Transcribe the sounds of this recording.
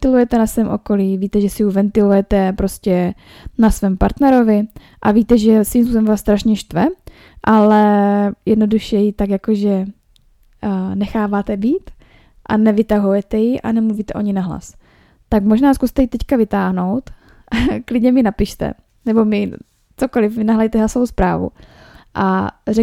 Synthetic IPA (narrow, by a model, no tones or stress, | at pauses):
t̪ɪlujɛt̪ɛnasvɛːmʔo̞̰koliːviːt̪ɛʒɛsɪjuvɛnt̪ɪlujɛt̪ɛpɾo̞scɛ | nasvɛːmpa̰ɾt̪nɛɾo̞vɪ | ʔaviːt̪ɛʒɛsviːmspusbɛmvaːst̪ɾaʃɲɛʃt̪vɛ | ʔalɛjɛdno̞duʃɛjɪt̪akjakoʒɛ | nɛxaːvaːt̪ɛbiːt̪ | ʔanɛvɪt̪aɦujɛt̪ɛjɪʔa̰nɛmluviːt̪ɛʔoɲɪnaɦla̰s | t̪akmo̞ʒnaːskust̪ɛjɪt̪ɛckavɪt̪aːɦno̞wt̪ | klɪdɲɛmɪnapɪʃt̪ɛ̰ | nɛbo̞mɪ | t͡sokolɪfmɪnaɦlɛjt̪ɛɦlasovowspɾa̰ːvṵʔa̰rɛ